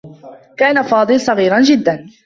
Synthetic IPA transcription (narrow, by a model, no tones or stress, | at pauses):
kaːnafɑːd̪ˤɨlsˤɑɣiːɾˤɑnd͡ʒɪd̪ːan